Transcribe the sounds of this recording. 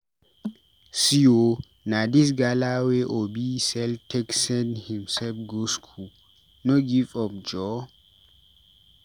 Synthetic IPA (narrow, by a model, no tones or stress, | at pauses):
sio | nadis̬ɡalaweʔobisɛltʰɛksɛ̃nhĩmsɛlfɡoskʰu | noɡifɔfd͡ʒɔ